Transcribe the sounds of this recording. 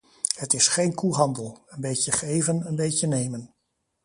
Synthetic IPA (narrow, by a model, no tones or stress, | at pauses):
hətɪsχejnkuɦɑndəlˠənbejcəχejvənənbejcənejmən